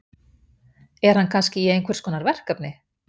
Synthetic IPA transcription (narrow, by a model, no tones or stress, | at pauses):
ɛɾ̥hankʰanscɪiejnkvɛɾ̥skɔːnaɾvɛr̥kapnɪ